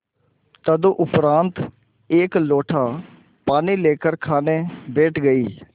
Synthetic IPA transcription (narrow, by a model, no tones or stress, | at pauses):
t̪əd̪õːʔʊpɾãːnt̪ | eːkloːʈʰãː | paːniːleːkəɾkʰaːneːbeːʈɡəiː